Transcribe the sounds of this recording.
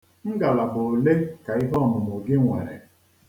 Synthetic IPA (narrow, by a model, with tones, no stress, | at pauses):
ŋ̩˦ɡa˨la˨bʊ˨le˦ka˨i˦ɦɔ˦˨mʊ˨m˨o˨ɡe˦ŋʷḛ˨ɾḛ˨